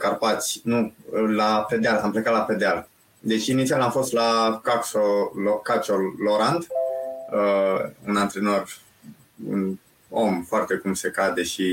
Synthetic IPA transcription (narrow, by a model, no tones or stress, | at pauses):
karpat̪sʲnulape̞d̪ealamplekat̪laped̪eal | d̪e̞t͡ʃinit̪sialamfo̞st̪lakaksolokat͡ʃoloɾand̪ | əunant̪ɾe̞no̞r | ṵn | o̞mfoart̪e̞kumse̞kad̪e̞ʃi